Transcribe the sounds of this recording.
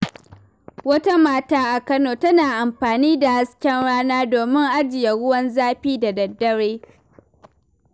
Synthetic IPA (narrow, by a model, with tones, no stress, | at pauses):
wɐ˦ta˦maː˦taː˦ʔa˨kɐ˦noː˨tɐ˦naː˨ʔa˨mɸaː˨niː˦da˨ha˦skʲɛ˦nɽaː˦naː˦doː˨mɪ˦ŋʔa˦d͡ʒɪ˨ja˨ɽʊ˦wɐ˦nzaː˦ɸiː˦da˨dɐ˨dːɐ˦ɽeː˦